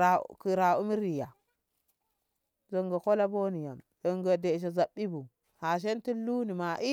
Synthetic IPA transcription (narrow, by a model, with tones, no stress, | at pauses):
a˨ki˨ɾa˨u˦mi˦ɾi˨ja˨ | zo˨ŋɡa˨ko˦la˦bo˦ni˨ja̰˨mzo˨ŋɡa˨de˨ʃ̬e˨za˨ɓːi˦bu˨ | ha˨ʃ̬e˦nti˦lu˦ni˨ma˨ʔi˦